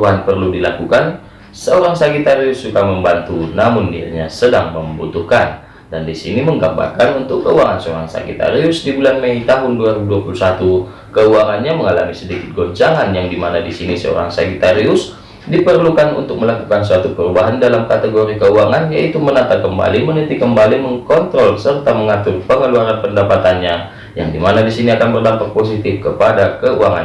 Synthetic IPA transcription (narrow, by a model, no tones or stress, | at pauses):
aanpərludilakukan | səoɾaŋsakit̪aɾiʊsːukaməmbant̪unamʊndia̰ɲasədaŋməmbṵt̪uhkan | dandisḭniməŋɡaba̰kanunt̪ʊkːəuaŋansəoɾaŋsa̰kḭt̪a̰ɾiʊsdibulanmeit̪aɦʊnduaɾibuduapulusat̪u | kəuaŋanɲaməŋala̰misədikɪt̪̚ɡɔɲt͡ʃaŋanjaŋdimanadisinisəo̰ɾa̰ŋsakit̪aɾiʊs | dipərlukanṵnt̪ʊk̚məlakukans̬uat̪upəɾubaɦandalamkat̪əɡoɾikəuaŋanjaʔit̪umənat̪akəmba̰limənənt̪ikəmbaliməŋkɔnt̪ɾɔlsərt̪aməŋat̪ʊrpəŋəluaɾanpəndapat̪anɲa | ja̰ŋdimanadisiniakanbərdampak̚pos̬it̪ɪfkəpadakəṵaŋa̰n